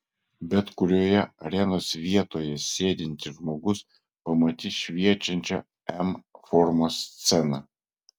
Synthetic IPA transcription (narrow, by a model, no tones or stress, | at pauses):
bʲɛt̪kʊɾʲoːjɛɐɾʲɛnoːsʋʲiɛt̪oːjɛsʲeːd̪ʲɪnʲt̪ʲɪʒmoːɡʊs | pɐmɐt̪ʲɪʃʲʋʲiɛt͡ʃʲɛnʲt͡ʃʲɛ̰ | ɛmfɔɾmoːst̪sʲɛnɑ